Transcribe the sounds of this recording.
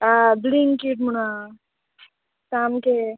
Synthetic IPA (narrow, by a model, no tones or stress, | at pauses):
abliŋkiʈmuɳa | samke